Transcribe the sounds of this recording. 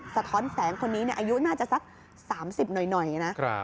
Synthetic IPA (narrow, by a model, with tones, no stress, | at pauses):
sa˧t̪ʰɔː˦˥nsɛː˩˦ŋkʰo˧nːiː˦˥ni˥˩ʔaː˧ju˦˥naː˥˩t͡ɕa˨˩ʔsa˦˥k̚ | saː˩˦msi˨˩p̚nɔ˨˩jnɔ˨˩jna˦˥ʔ